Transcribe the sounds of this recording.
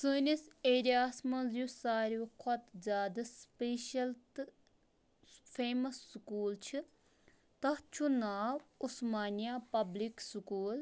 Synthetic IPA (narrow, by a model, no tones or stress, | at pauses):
sɨːniseːɾijaːsmɐ̃nzjusaːɾuːkʰɔt̪zʲaːd̪ɐspeːʃɐlt̪ | pʰeːmɐsːkuːlt͡ʃʰɨ | t̪ɐt͡ʃʰunaːusmaːnijaːpɐblikskuːl